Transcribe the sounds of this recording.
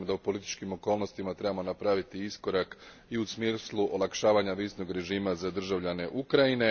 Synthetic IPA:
md̪aupo̞lit̪i̥t͡ʃkimo̞ko̞ːlˠno̞st̪imat̪ɾe̞bamo̞napɾaʋit̪iisko̞ɾak | iusmislˠuʔo̞lˠakʃaːʋaɲaʋisno̞ɡɾe̞ʒiːmazad̪r̩ʒaʋʎane̞ʔukɾaine̞

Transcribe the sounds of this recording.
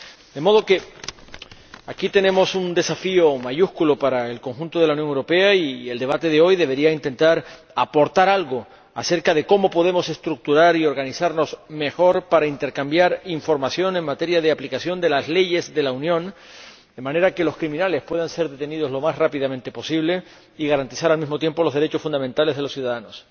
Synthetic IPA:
d̪e̞mo̞ð̞o̞ke̞ | akit̪e̞nẽ̞mo̞sund̪e̞safio̞maʝuskulopaɾae̞lko̞ŋxũnt̪o̞ð̞elaunjoŋewɾo̞pe̞aield̪e̞βat̪e̞ðeo̞jðe̞β̞e̞ɾiaint̪e̞nt̪aɾ | apo̞ɾt̪aɾalɣo̞ | a̰se̞ɾkaðe̞ko̞mo̞po̞ð̞e̞mo̞se̞st̪ɾuk̚t̪uɾaɾio̞ɾɣanisaɾno̞sme̞xo̞ɾpaɾaint̪e̞ɾkambjaɾiɱfo̞ɾmasjo̞neŋmat̪e̞ɾjaðe̞aplikasjo̞nd̪e̞lasle̞ʝe̞zðe̞launjõ̞n | d̪e̞mãne̞ɾake̞lo̞skɾimĩnale̞spwe̞ðanse̞ɾðe̞t̪e̞niðo̞zlo̞masrapiðamẽ̞nt̪e̞po̞siβ̞le̞ | iɣaɾant̪isaɾalmizmot̪je̞mpo̞lo̞zðeet͡ʃo̞sfund̪ament̪ale̞zð̞elosjuðaðano̞s

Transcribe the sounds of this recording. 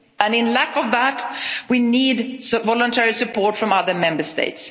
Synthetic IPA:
ə̃nɪ̃nlækʌvðætwinidvɔlə̃ntʰɛɹisɨpʰɔɹtfɹʌ̃mʌðə˞mɛ̃mbəstḛɪts

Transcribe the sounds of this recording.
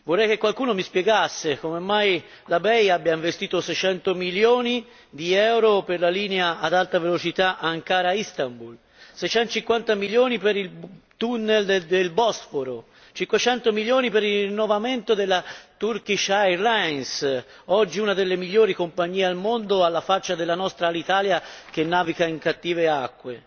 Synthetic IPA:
vorːɛjk̟ekːwalkuːnomispjɛɡasːekomemːaj | labɛjabjaiɱvest̪iːt̪osɛjt͡ʃɛnt̪omiljoːni | d̪iɛwɾoperlaliːneaad̪alt̪avelot͡ʃit̪aʔaŋkaːɾaist̪ambul | sɛjt͡ʃɛnt̪ot͡ʃiŋkwant̪amiljoːnipeɾilt̪unːeld̪elbɔsfoɾo | t͡ʃiŋkwet͡ʃɛnt̪omiljoːnipeɾirinːovament̪od̪elːat̪urkit͡ʃajlans | ɔd͡ʒːiunad̪elːemiʎːoːɾikompaɲːiːealmond̪oalːafat͡ʃːad̪elːanɔst̪ɾalit̪aːljak̟enːaːvikaiŋkat̪ːiːveakːwe

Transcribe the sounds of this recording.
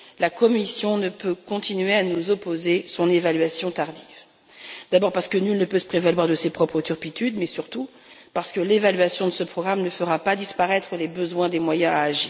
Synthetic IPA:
lakɔmisjɔ̃nəpøkɔ̃t̪inɥeanuzɔpozesɔ̃nevalɥasjɔ̃t̪aʁd̪iv | d̪abɔʁpaʁsə̥kənylnəpøsə̥pχevalɥwaʁd̪əsepχɔpχət̪yʁpit̪yd̪mɛsyʁt̪u | paʁsə̥kəlevalɥasjɔ̃d̪əsəpχɔɡʁamnəfəʁapad̪ispaʁɛt̪χəlebəzwɛ̃d̪emwajɛ̃aːʒiː

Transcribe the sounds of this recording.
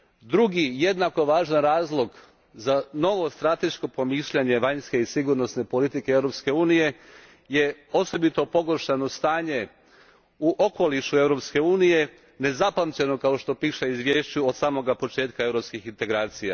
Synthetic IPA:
d̪ɾuɡije̞d̪nako̞ʋaːʒanɾaːzlˠo̞ɡ | zano̞ʋo̞st̪ɾat̪e̞ʃko̞po̞miːʃʎaɲe̞ʋaɲske̞isiɡuɾno̞sne̞po̞lit̪ikeeʋɾopske̞uːnije̞ | je̞o̞so̞bit̪o̞po̞ɡo̞ɾʃano̞st̪aːɲe̞ | uʔo̞ko̞liʃue̞ʋɾo̞pske̞uːnije̞ | ne̞zapamt͡ɕe̞no̞kao̞ʃt̪o̞piːʃeizʋje̞ːʃt͡ɕuod̪saːmo̞ɡapo̞t͡ʃe̞ːt̪̚kae̞ʋɾo̞pskixint̪e̞ɡɾaːt̪sija̰

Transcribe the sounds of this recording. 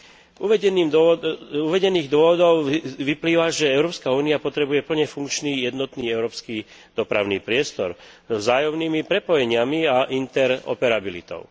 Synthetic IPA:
uʋɛɛnː | uʋɛɟɛniːɣd̪ʊɔʋɔd̪ɔʊʋipliːʋaʒɛɛʊɾɔːpskauːniapɔt̪ɾɛbujɛpl̩ɲɛfuŋkt͡ʃniːjɛd̪nɔt̪niːɛʊɾɔːpski | d̪̥ɔpɾa̰ʊniːpɾɪɛst̪ɔɾ | zɔvzaːjɔmniːmipɾɛpɔjɛɲɪamiaʔint̪ɛɾɔ̰pɛɾabilḭt̪ɔ̰ʊ

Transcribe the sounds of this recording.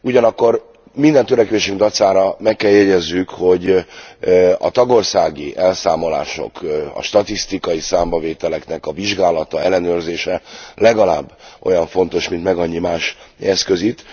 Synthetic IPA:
uɟɒnɒkːo̞r | mind̪ɛnt̪øɾɛkʋeːʃyŋɡd̪ɒt̪saːɾɒmɛkːɛljɛɟɛzːykho̞ɟ | ɒ̰t̪ɒɡo̞rsaːɡiʔɛlsaːmo̞la̰ːʃo̞̰kɒ̰ʃt̪ɒt̪ist̪ikɒjisaːmbɒveːt̪ɛlɛknɛkɒviʒɡaːlɒt̪ɒɛlːɛnøːrzeːʃɛlɛɡɒlaːbːʔo̞jɒɱfo̞n̪t̪o̞ʃmint̪mɛɡɒɲːimaːʃɛskø̞zit̪

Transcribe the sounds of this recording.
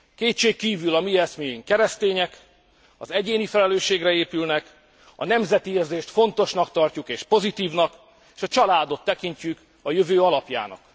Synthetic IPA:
keːt̪t͡ʃeːkːiːvylɒmiɛsmeːiŋkɛɾɛst̪eːɲɛk | ɒ̰zɛɟeːnifɛlɛløːʃːeːɡrɛeːpylnɛk | ɒ̰nɛmzɛt̪ieːrzeːʃt̪fo̞nt̪o̞ʃnɒkt̪ɒrcukeːʃpo̞zit̪iːvnɒk | eːʃɒt͡ʃɒlaːd̪o̞t̪ːɛkiɲt͡ʃyk | ɒjøvøːɒlɒpja̰ːnɒ̰k

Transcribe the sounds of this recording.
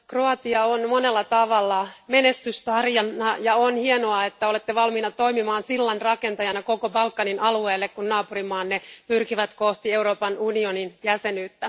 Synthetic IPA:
kroɑt̪iɑonmonelːɑt̪ɑʋɑlːɑmenest̪yst̪ɑrjɑnːɑjɑonhienoɑet̪ːæolet̪ːeʋɑlminɑt̪o̞imimɑːnsilːɑnrɑkent̪ɑjɑnɑko̞kobɑlkːɑninɑlueːlːekkunnɑːpurimɑːnːepyrkiʋæt̪koht̪ie̞uɾo̞ːpɑnunioninjæsenyːt̪ːæ

